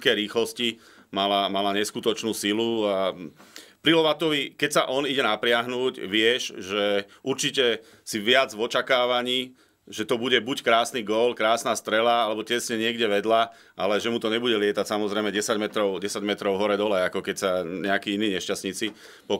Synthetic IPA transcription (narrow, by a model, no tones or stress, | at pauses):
kɛɾiːxlɔsci | malamalaɲɛskut̪ɔt͡ʃnuːsilua | pɾilɔʋat̪ɔʋikɛcsaʔɔniɟɛnapɾɪaɦnuːɟʋɪɛʃʒɛuɾt͡ʃicɛ | siʋɪad͡zvɔt͡ʃakaːʋaɲiː | ʒɛt̪ɔbuɟɛbuckɾaːsniɡɔːlkɾaːsnaːst̪ɾɛlaalɛbɔcɛsɲɛɲɪɛɡɟɛʋɛd̪la | ʔalɛʒɛmut̪ɔɲɛbuɟɛlɪɛt̪acsamɔzɾɛɪmɛɟɛsaɟmɛt̪ɾɔʊɟɛsaɟmɛt̪ɾɔʊɦɔɾɛd̪ɔlɛakɔkɛcsaɲɛakiːiniːɲɛʃcasɲit͡si | pɔ